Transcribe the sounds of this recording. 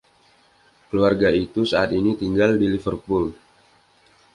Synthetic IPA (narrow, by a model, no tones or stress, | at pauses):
kəluarɡait̪usaat̪init̪iŋɡaldilifərpul